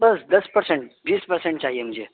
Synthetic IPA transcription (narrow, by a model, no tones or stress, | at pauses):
bəsd̪ɐspəɾsẽɳʈʋiːspəɾsẽɳʈ̚t͡ʃaːɦijem̤ũnd͡ʒʱe